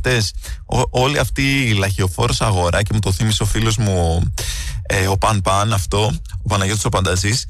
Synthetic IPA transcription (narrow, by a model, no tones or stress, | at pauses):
t̪e̞soo̞liɐft̪iːlɐçeo̞fo̞ɾosɐɣo̞ɾʔɐce̞mut̪o̞θimiseo̞filo̞zmu | eo̞pɐnpɐnɐft̪o̞opɐnɐʝo̞t̪sopɐnd̪ɐzis